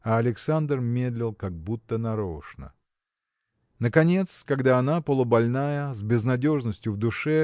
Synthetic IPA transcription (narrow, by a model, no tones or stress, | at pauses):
ɐɐlʲɪksand̪rmʲed̪lʲɪlˠkaɡ̚but̪ːənɐɾoʂnə̰ | nəkɐnʲe̞t̪skɐɡd̪aːnapəlˠʊbɐlʲnajəzʲbʲɪznɐdʲo̞ʐnəsʲtʲjʊvd̪ʊʂɛ